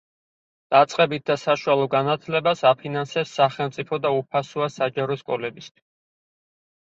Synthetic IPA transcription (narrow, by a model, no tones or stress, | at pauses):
d̪̥at̪sʼqʼɛbit̪̚d̪asaʃualˠɔɡanat̪ʰlɛbasapʰinansɛpsaχɛlˠmt̪sʼipʰɔd̪aupʰasuasad͡ʒaɾɔʃkʼɔlɛbist̪ʰwi̥s